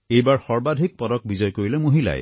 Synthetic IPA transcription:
ejbaɹxɔɹbad̪ʱik̚pɔɾɔk̚bizɔjkoɹilɛmoɦila̰j

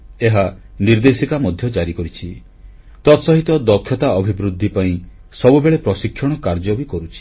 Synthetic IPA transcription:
eɦa | niɾd̪esikamɔd̪ʱjɔd͡ʒaɾikɔɾit͡ʃʰi | t̪ɔt̪sɔɦit̪ɔd̪ɔkʰːjɔt̪aɔbʱibɾud̪ʱːipaĩ | sɔbubeɭepɾɔsikʰːjɔɽ̃ɔkaɾd͡ʒɔbikɔɾut͡ʃʰi̥

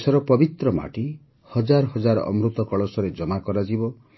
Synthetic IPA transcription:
sɔɾɔpɔbit̪ɾɔma̰ʈi | hɔd͡ʒaɾɔhɔd͡ʒaɾɔ̰ɔ̰mɾut̪ɔkɔɭɔsɔɾed͡ʒɔmakɔɾad͡ʒibɔ

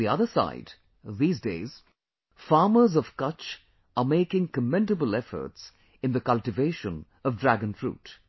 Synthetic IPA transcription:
iʌðəsa̰ɪd | ðiːzdeɪz̥ | fɑːmə˞zʌv̥kʌt͡ʃ | əmeɪkɪ̃ŋkəmɛ̃ndəbəl̩ɛfə̰˞ts | ɨ̃nðɨkʌlˠtɨveɪʃə̃n | ʌvdɹæɡɨ̃nfɹṵːt

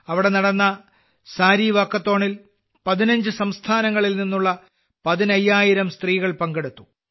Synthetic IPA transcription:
ɐʋiɽe̞nɐɽɐnːɐ | saːɾiʋaːkːɐt̪ːo̞ːɳil | pɐðinɐɲd͡ʑɨsɐmst̪ʰaːnɐŋːɐɭilninːuɭːɐ | pɐðinɐjːaːjiɾɐmst̪riːɣɐɭpɐŋɡeɽut̪ːu̥

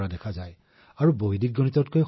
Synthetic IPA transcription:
adɛkʰazaj | aɹuboɦidiɡ̚ɡːonitɔt̚koj

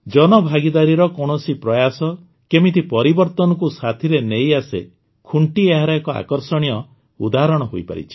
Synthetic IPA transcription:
d͡ʒɔnɔbʱaɡid̪aɾiɾɔkɔɽ̃ɔsipɾɔjasɔ | kemit̪ʰipɔɾibɔɾt̪ɔnɔkusat̪ʰiɾenejasḛ | kʰuɳʈieɦaɾakɔa̰kɔɾsɔɽ̃ijɔ | ṵd̪aɾɔɽ̃ɔɦojpa̰ɾḭt͡ʃʰi̥

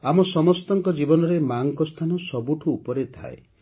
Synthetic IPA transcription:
amɔsɔmɔst̪ɔŋkɔd͡ʒibɔnɔɾemaŋkɔst̪ʰanɔsɔbuʈʰuːpɔɾet̪ʰa̰e

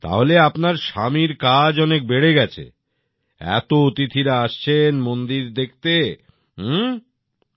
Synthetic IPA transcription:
t̪a̰ɦoleapnaɾʃa̰miɾkad͡ʑɔnek̚beɽeɡɛt͡ɕʰḛ | ɛ̰t̪oot̪it̪ʰiɾaaʃt͡ɕʰenmond̪iɾd̪ek̚ʰt̪e

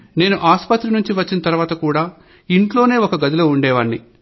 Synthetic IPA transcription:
ne̞ːnuʔaːspɐt̪ɾinuɲt͡ʃiʋɐt͡ʃːinɐt̪ɐɾuʋaːt̪ɐkuːɽaː | iɳʈlo̞ːne̞ːɔkɐɡɐd̪iloːuɳɖɛːʋɐːɳːi

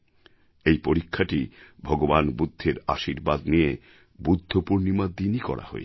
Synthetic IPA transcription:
ejpoɾikʰːaʈibʱɔɡobanbud̪ʱːeɾa̰ʃiɾbad̪nije | bud̪ʱːopuɾnimad̪inikɔ̰ɾʔa̰ho̰ḛ

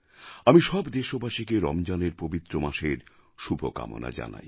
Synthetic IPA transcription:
amiʃɔbd̪eʃobʱaʃikeɾɔ̰md͡ʑaneɾpobit̪ːɾomaʃeɾ | ʃubʱoka̰mo̰na̰d͡ʑa̰na̰j

